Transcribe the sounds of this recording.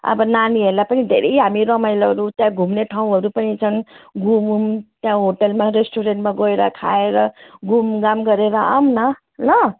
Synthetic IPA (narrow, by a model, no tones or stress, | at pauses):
ʌ̰bʌnaniɦeɾlapʌnid̪ʱeɾʌjɦamiɾʌmajlʌɾut̪jãɡʱumneʈʰaũɦʌɾupʌnit͡sʰʌnɡumumt̪jãɦoʈelmaɾesʈʰuɾeɳʈmaɡoeɾʌ̰kʰa̰eɾʌɡumɡamɡʌɾeɾʌa̰mnʌ | lʌ